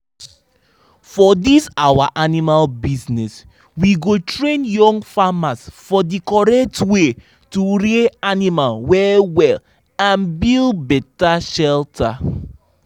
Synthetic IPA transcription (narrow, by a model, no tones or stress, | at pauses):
fɔdisawaʔanimalbisnɛs | wiɡotɹẽnjɔ̃ŋɡfamasfɔdikɔɹɛk̚twe | tuɹeanimalwɛwɛl | ãnbilbɛtaʃɛltʰa